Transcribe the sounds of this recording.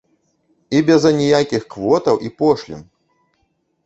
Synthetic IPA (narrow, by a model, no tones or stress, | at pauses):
ibʲɛzɐnʲijakʲixkvɔt̪ɐwʔipɔʂlʲḭm